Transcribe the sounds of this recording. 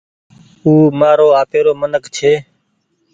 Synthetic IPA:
uːmaːɾoːaːpeːɾoːmənəkt͡ʃʰeː

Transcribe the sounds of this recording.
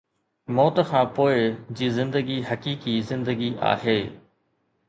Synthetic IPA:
mɔːt̪xʰãːpoːɪd͡ʑiːzɪ̃nd̪əɡiɦɐkiːkizɪ̃nd̪əɡiʔa̰ːɦeː

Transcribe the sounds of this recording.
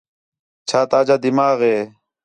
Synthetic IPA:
t͡ɕʰaːt̪aːd͡ʑad̪imaːɣeː

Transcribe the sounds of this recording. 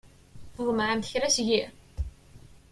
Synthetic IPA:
θʊðˤmʕamθəçɾæsʝi

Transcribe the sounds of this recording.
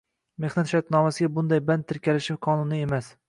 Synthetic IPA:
me̞hnat̪ʃaɾt̪nɒmasɪɡʲabʊnd̪ajband̪ʰɪɾkʲalɪʃɪfqʰɒnʊnɪe̞mas

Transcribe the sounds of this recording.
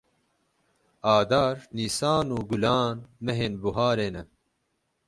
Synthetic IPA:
aːd̪aːɾniːsaːnuːɡulaːnmɐɦenbuɦaːɾeːnɐ

